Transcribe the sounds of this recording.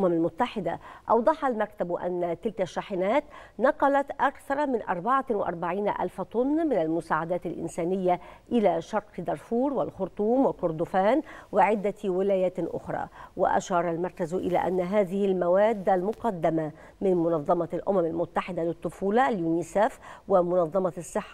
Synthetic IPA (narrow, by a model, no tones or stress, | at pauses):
lʔʊmamalmʊt̪ːaħɪd̪a̰ʔɑwd̪ˤɑħɑlmakt̪abʔa̰nːat̪ɪlkaʃːaħɪnaːt̪nɑqɑlat̪ʔakθɑɾˤɑmɪnʔɑ̰ɾˤbaʕawɪʔɑ̰ɾˤbaʕiːna̰ʔa̰lfat̪ˤʊnːmɪnalmʊsaːʕad̪aːt̪alʔɪ̰nsaːnɪjːaʔɪlaːʃɑɾˤqd̪ɑɾˤfuːɾwɪ̰lxʊɾt̪ˤuːmwɪlkʊɾd̪ʊfaːnwɪʕɪd̪ːawɪlaːjaːt̪ʔʊ̰xɾˤɑ̰ːwɪ̰ʔa̰ʃɑːɾˤɑlmɑɾˤkazʔɪ̰la̰ːʔa̰nːaɦaːðɪhɪlmawaːd̪ːalmʊqɑd̪ːama | mɪnmʊnɑðˤːɑmɑlʔʊ̰mamalmʊt̪ːaħɪd̪alɪt̪ˤːʊfuːlɑljuːniːsaːfwɪmʊnɑðˤːɑmɑsˤːɨħːḁ